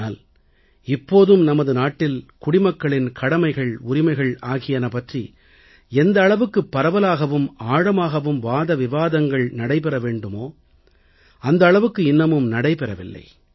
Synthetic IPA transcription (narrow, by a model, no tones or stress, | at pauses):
aːl | ɪpːoːðɯmnɐmɐðɯnaːʈːɪlkʊɽɪmɐkːɐɭɪnkʰɐɽɐmɐɪɣɐɭʊɾɪmɐɪɣɐɭaːɣɪjɐnɐpːɐʈri | ɛnd̪ɐːɭɐʋɯkːɯpːɐɾɐʋɐlaːɣɐʋɯmaːɽɐmaːɣɐʋɯmʋaːðɐʋɪʋaːðɐŋɡɐɭnɐɽɐɪpɛɾɐʋeːɳɖɯmoː | ɐnd̪ɐːɭɐʋɯkːɯɪnːɐmɯmnɐɽɐɪpɛɾɐʋɪ̰lːɐ̰ɪ